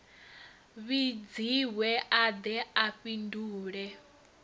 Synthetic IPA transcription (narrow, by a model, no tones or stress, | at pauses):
βid͡ziwɛʔad̪ɛaɸinduːɺɛ